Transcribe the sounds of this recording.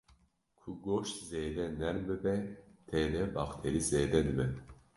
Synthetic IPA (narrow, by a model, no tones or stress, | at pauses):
kʰuɡoʃt̪zeːd̪ɛnɛɾmbɨbɛt̪ʰɛd̪ɛbɑxt̪ʰeɾizeːd̪ɛd̪ɨbɛ